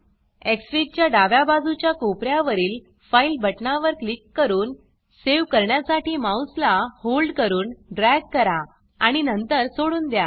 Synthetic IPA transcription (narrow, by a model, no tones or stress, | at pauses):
eksɾit͡ɕjaɖaʋjabad͡zut͡ɕjakopɾjaʋəɾiːl | failbʱəʈnaʋəɾklikːəɾuːn | seʋkəɾɳjasaʈiːmawslaholɖkəɾuːnɖɾɛɡ̚kəɾa | aɽ̃inənt̪əɾsoɽuːnd̪ja